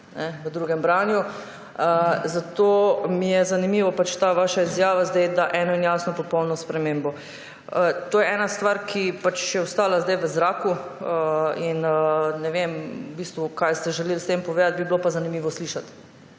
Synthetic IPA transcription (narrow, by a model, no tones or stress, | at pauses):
nɛʋəd̪ɾuːɡɛmbɾanju | əzat̪omijɛzanimiːʋɔpat͡ʃt̪aːʋaːʃaizjaːʋazd̪ɛjd̪aʔɛnɔinjasnɔpɔpɔwnɔspɾɛmeːmbɔ | ət̪oːjɛɛːnast̪ʋaɾkʰipat͡ʃjɛɔst̪aːlazd̪ajʋəzɾaːkuəinənɛʋemubiːst̪ʋukajst̪ɛʒɛlelst̪empɔʋeːd̪at̪̚biblopazanimiːʋɔsliʃat̪